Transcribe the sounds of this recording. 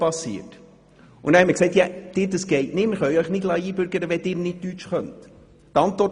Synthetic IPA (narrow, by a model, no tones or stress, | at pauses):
pɑsːḭət | ʔʊ̰næhɛtmːəɾksɛɪtjad̥ɪːɾdəsɡ̥ɛɪtnɪmɪɾχœɥœʏχnɪd̥lɑjiːbʏɾɡəɾəʋɛdɪːɾnɪt̚tyt͡ʃχœnt | təɑntʋɔɾt